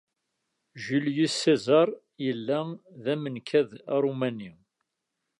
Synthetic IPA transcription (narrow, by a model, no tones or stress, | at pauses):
ʒəljisːezɑɾˤ | jəlːæðæmənkʰæðɾˤumæni